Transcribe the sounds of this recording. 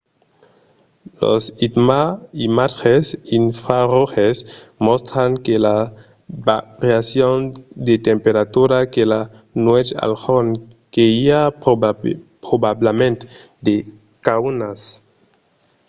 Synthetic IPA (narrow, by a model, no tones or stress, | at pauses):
lo̰sit̪maimaxesinfɾaroxesmost̪ɾaŋkela | baʁjasjond̪et̪empeɾat̪uɾakela | nwet͡ʃa̰lxon | keia | pɾobablemẽnt̪d̪e | kawnas